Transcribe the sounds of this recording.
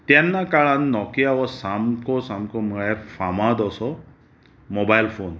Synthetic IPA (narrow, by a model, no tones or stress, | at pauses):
t̪ɛnːakaɭanːɔkiawɔsamkɔsamkɔmɛpʰamad̪ɔsɔ | mobajlpʰon